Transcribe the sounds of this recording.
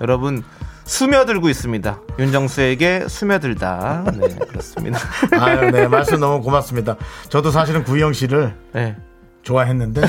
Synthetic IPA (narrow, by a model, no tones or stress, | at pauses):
jʌɾʌbɯnsʰumjʌdɯɭɡois͈ɯmɲidajund͡ʑʌŋsʰue̞ɡe̞sʰumjʌdɯɭda̰nḛkɯɾʌs͈ɯmɲḭdaanemaɭs͈ɯmnʌmukomas͈ɯmɲidat͡ɕʌdos̬ʰaɕ̬ʰiɾɯnkujʌŋɕʰiɾɯɭne̞ | t͡ɕoaɦe̞nːɯnde̞